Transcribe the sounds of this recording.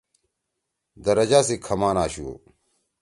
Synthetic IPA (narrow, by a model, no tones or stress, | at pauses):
d̪ɐɾɐd͡ʑaːsekʰɐmaːnaːɕuo̰